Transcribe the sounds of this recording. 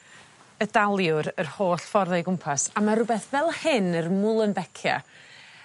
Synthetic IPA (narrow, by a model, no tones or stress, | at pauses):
ədalˠjʊɾərhoːɬfɔrðɛjɡʊmpʰasamaɾʊbɛθvɛlˠhɪnərmʊlˠənbɛkʰja̰